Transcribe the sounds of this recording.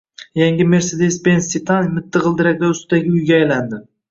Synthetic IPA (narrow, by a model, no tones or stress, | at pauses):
jaŋɡʲɪme̞ɾsed̪e̞spensit̪ʰanmɪt̪ʰːɪʁɨlˠd̪ɪɾak̚ʲlaʊst̪ɪd̪aɡʲɪʊjɡʲaːjland̪ɪ